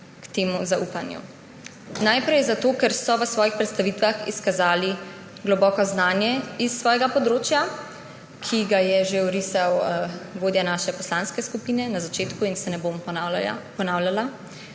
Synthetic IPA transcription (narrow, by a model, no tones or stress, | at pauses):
kt̪eːmuzaʔuːpanjṵ | najpɾɛjzat̪oːkɛɾsɔʋəsʋɔːjixpɾɛt̪st̪aʋiːt̪ʋaxḭskazaːli | ɡlɔbɔːkɔznaːnjɛisːʋɔːjɛɡapɔd̪ɾoːt͡ʃja | kʰiɡajɛʒeuɾisawɡoːd̪janaːʃɛpɔslaːnskɛskupiːnɛnazat͡ʃeːt̪kuinsɛnɛbom | pɔnaːwlala